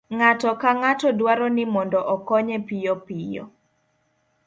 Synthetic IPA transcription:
ŋatɔkaŋatɔdwaɾɔnɪmɔndɔʔɔkɔɲɛpijɔpijɔ̰

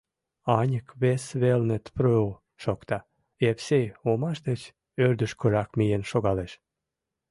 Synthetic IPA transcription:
ɑnʲəkβesβelnet̪pɾøo | ʃokt̪ɑ | efseomɑʃd̪et͡ɕ | ørd̪əʃkøɾɑkmijenʃoɣɑleʃ

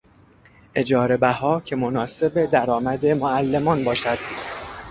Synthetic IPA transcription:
ʔe̞d͡ʒɒːɾe̞bæhɒːcʲʰe̞monɒːse̞be̞d̪æɾɒːmæd̪e̞moælːemɒːnbɒːʃæd̪̥

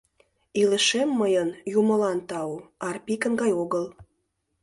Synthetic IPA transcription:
iləʃemːəjənjumə̆lɑnt̪ɑuɑrpikə̆nɡɑjoɣəl

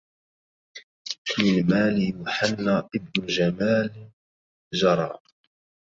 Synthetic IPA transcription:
mɪlmaːlɪjʊħanːaːʔɪbnʊd͡ʒamaːl | ʒɑɾˤɑ̰ː

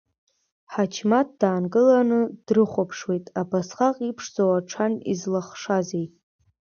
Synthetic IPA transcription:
ħat͡ʃʰmat̚d̥aːnɡʼɨlanɨd̥rɨχʷapʰʂwejtʼabasχaqʼipʰʂd͡zowaʈ͡ʂʰanḭzlaχʂazejʼ

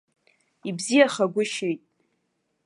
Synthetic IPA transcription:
ibzijaχaɡʷʊʃejtʼ

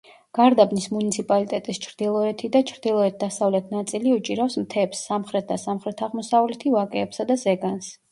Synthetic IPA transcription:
ɡ̥aɾd̪abnismunit̪sʰipʼalit̪ʼɛt̪ʼist͡ʃʰɾd̪̥ilˠɔɛt̪ʰid̪at͡ʃʰɾd̪ilˠɔɛt̪̚d̪asavlɛt̪ʰnat̪sʼiliut͡ʃʼiɾafsmt̪ʰɛpsːamχɾɛt̪̚d̪asamχɾɛt̪ʰaʁmɔsavlɛt̪ʰivakʼɛːpsad̪azɛɡans

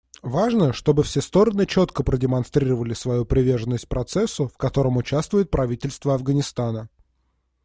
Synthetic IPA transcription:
vaʐnəʂt̪o̞bɨfsʲest̪o̞ɾənɨt͡ɕo̞t̪kəpɾədʲɪmɐnst̪ɾʲiɾəvəlʲɪsvɐjupɾʲɪvʲe̞rʐənːəsʲt̚ʲpɾʔɐt̪sɛsːʊfkɐt̪o̞ɾəmʊt͡ɕast̪vʊjɪt̪̚pɾʔɐvʲitʲɪlʲst̪vəɐvɡənʲɪst̪anə

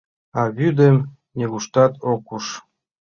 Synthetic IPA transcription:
ɑβyd̪əm | nʲeɣuʃt̪ɑt̪okuʃ

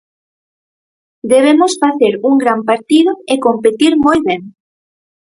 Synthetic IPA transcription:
d̪eβ̞emosfaθeɾuŋɡɾampaɾt̪ið̞oekompet̪iɾmojβeŋ

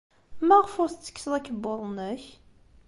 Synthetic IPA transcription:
mæʁəfʊθt͡sːə̥kːsəlˤækːəbːʊɾˤnəç

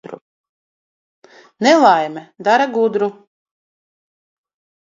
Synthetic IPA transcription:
ɾu | nɛlˠajmʲɛd̪aɾaɡud̪ɾu

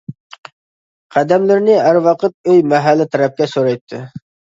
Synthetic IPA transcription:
qʰæd̪ɛmlɪɾnɪæɾwɑqʰət̪̚øjmɛɦælːɪt̪ʰɛɾɛp̚kʲɛsoɾɑjt̪ʰːɪ

